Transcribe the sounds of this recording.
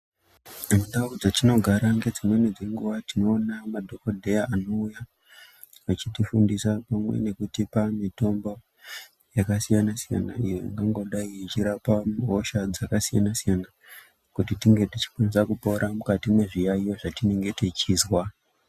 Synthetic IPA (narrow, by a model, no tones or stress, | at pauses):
mudaud͡zatino̞ɡʱaɾaŋɡe̞d͡zimwe̞ned͡zeŋɡuʋatino̞ːnamadʱo̞kodʱe̞jaʔano̞uja | ʋat͡ʃitifundisapamwḛne̞kutipanito̞mbo | jakasijanasija̰na̰ijoḭŋɡaŋɡo̞ɗaiit͡ʃiɾapaɦo̞ʃad͡zakasija̰nasijana | kutitiŋɡe̞tit͡ʃi̥kwanisakupo̞ɾʔamukatimwe̞ʐijaijo̞ʐatine̞ŋɡetet͡ʃiːzwa